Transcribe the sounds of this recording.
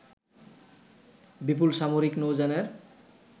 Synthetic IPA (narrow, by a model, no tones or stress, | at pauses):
bip̬ulʃamoɾiknowd͡ʑaneɾ